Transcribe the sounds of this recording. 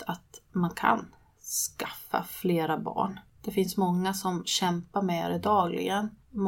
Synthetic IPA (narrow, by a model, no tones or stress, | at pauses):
at̪mankʰa̰n | skḁfːa̰fleːɾabɑ̰ːɳd̪̥ɛfɪnsmɔŋːasɔmɕɛmpaɾmɛɾɛd̪ɑːɡlɪ̰ɡənm